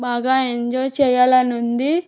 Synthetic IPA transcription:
baːɡaːeɲd͡ʒoːjt͡ʃɛːjaːlɐnund̪i

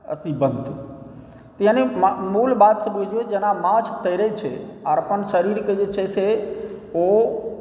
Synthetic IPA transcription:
ə̰t̪ibənd̪t̪ʰi | t̪ijãnemmulbat̪sebud͡ʒʱijod͡ʒenamãt͡ʃʰt̪ʰəiɾəit͡ʃʰeaɾpəɳʃəɾiɾkəid͡ʒet͡ʃʰese | o

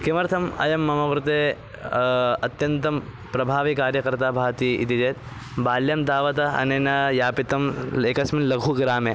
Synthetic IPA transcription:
kimɐɾt̪ʰɐmɐ̰jɐmːɐmɐkɾut̪eː | ɐt̪jɐnt̪ɐm | pɾɐbʱaːʋikaːɾjɐkɐɾt̪aːbʱaːʋɐt̪iḭt̪id͡ʒeːt̪ | baːljaːmd̪aːʋɐt̪ɐɐ̰neːnɐjaːpit̪ɐmeːkɐsminlɐɡʱuɡɾaːmeː

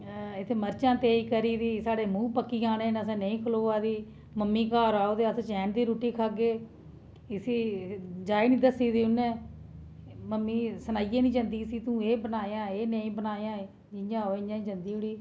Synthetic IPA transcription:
ɪt̪ʰːeːməɾt͡ʃãːt̪eːiːkəɾiːd̪iːsaːɽeːmũːpəkːiːaːnẽːnəsɛ̃ːnəĩːkʰəloːaːd̪iː | məmːĩːkaːɾaːoːd̪eːət̪ːt͡ʃɛ̃ːnd̪iːɾoːʈiːkʰaːɡeː | ɪsiːd͡ʒaːinĩːd̪əsiːd̪iːʊnːeː | məmːiːsənaːijeːnĩːd͡ʒãːnd̪iːəsiːt̪ũːeːbənaːjãːeːneĩːbənaːjãː | d͡ʒɪjãːoːɪɲãːĩːd͡ʒãːnd̪iːʊɽiː

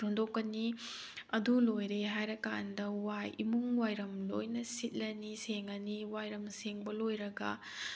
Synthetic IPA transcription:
ondokːɐni | ɐdulojɾeɦajɾɐka̰ndɐwajimuŋwajɾɐmlo̰jnɐsit̚lɐniseŋɐniwajɾɐmseŋbɐlojɾɐɡɐ

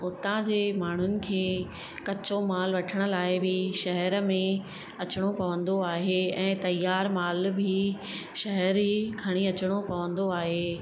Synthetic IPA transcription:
ʊt̪ãd͡ʑeːmaːɳ̤ʊnɪ̆kʰeː | kɐt͡ɕomaːlʋɐʈʰəɽ̃ʊ̆laːɪbʱɪʃɐɦɛɾmẽ | ɐt͡ɕɪɽ̃opɐʋə̃nd̪oaːɦeɛ̃ːt̪ɐjːaːɾmaːlbʱi | ʃɐɦɛɾiɡʱɐɽ̃iɐt͡ɕəɽ̃opɐʋə̃nd̪oaːɦeː

